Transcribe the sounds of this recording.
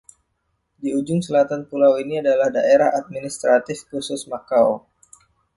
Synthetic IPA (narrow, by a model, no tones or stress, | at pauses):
diud͡ʒʊŋsəlat̪anpulawiniadalahdaʔeɾahat̪̚minist̪ɾat̪ɪfkusʊsmakao